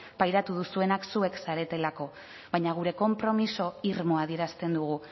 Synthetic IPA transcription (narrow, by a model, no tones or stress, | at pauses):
pajɾat̪uð̞usue̞naksue̞ksaɾe̞t̪e̞lako̞ | βajɲaɣ̞uɾe̞ko̞mpɾo̞miso̞iɾmo̞aðie̞ɾast̪e̞nd̪uɣ̞u